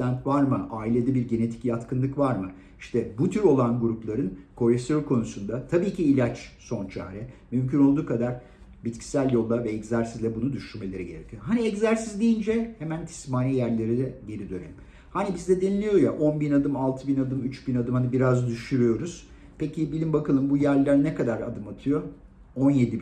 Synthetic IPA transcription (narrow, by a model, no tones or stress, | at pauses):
ant̪vaɾmɯʔaːilʲe̞d̪ɛbiɾɟe̞ne̞t̪ʰi̥cjat̪kʰɯnˠɯkvaɾmɯ | iʃt̪ʰɛbut̪ʰyɾo̞lˠanɡuɾuplˠaɾɯnkʰo̞lʲefsijoɾkʰo̞nusund̪at̪ʰabiːcʰiːlʲat͡ʃso̞nt͡ʃʰa̰ːɾɛmymcʰyno̞lˠd̪uːkʰad̪aɾ̥ | bit̪cʰi̥sælʲjo̞lˠd̪avɛɛczæɾsizlʲɛbunud̪yʃyɾme̞lʲe̞ɾɛɟeɾecʰyoɦaniɛczæɾsizd̪ijind͡ʒɛhemænt̪ʰi̥smaːnijæɾlʲe̞ɾid̪ɛbeɾid̪ø̞nḛim | hanibizd̪ɛd̪enilʲijo̞jaʔo̞nbinad̪ɯmalˠt̪ʰɯbinad̪ɯmyt͡ʃbinad̪ɯmhanibiɾazd̪yʃyɾyjo̞ɾuz̥ | pecʰibilʲimbakʰalˠɯmbujæɾlʲæɾnɛkad̪aɾa̰d̪ɯmat̪ʰɯjo̞ | o̞nje̞d̪i